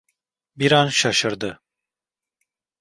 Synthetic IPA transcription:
biɾanʃaʃɯɾd̪ɯ

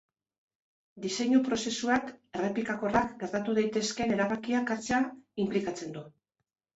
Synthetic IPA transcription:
d̪ise̞ɲupɾo̞se̞suake̞re̞pikako̞rakɡe̞ɾt̪at̪uð̞ajt̪e̞ske̞ne̞ɾaβakiakat͡seaimplikat͡se̞nd̪u

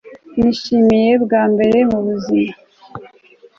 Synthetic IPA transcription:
niʃimije̞bɡaːmbe̞ɾe̞muβuzima

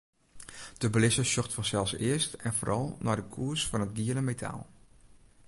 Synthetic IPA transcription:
d̥əbəlɪsəsɔxtfɑnsɛlˠsɪəstɛnvoːɾʔɑlˠnadəkʰuəɹsfɑnɦətɡiələmetʰa̰lˠ

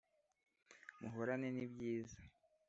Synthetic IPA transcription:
muɦoɾanenibɟiːzḁ

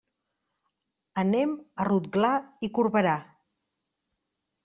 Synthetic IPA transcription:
ənɛmərut̪ɡlaikuɾβəɾa

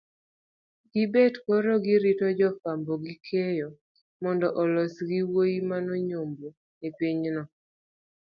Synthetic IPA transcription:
ɡibɛtkɔɾoɡiɾitɔd͡ʒɔfambɔɡikʰejɔ | mɔndɔʔɔlɔsɡiwojimanɔɲombo | epiɲnɔ

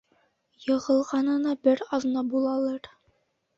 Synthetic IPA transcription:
jɤ̆ʁɤ̆lˠʁɑnɤ̆nɤbɘɾɑðɤnɑbulˠɑlˠɤɾ

